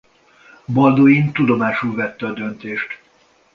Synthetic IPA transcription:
bɒld̪oːjint̪ud̪o̞maːʃulvɛt̪ːɛɒd̪ønt̪eːʃt̪

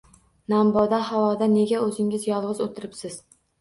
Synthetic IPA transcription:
nambɒd̪ahawɒd̪ane̞ɡʲaɵzɪŋʲɪzjɒlˠʁɨzot̪ʰɪɾɪpsɪz̥

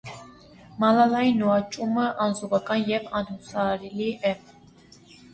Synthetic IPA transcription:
mɑlalɑjinːuɑt͡ʃʼuməʔɑnzuvɑkʼɑnjɛpʰɑnhusɑːɾɛliʔɛ

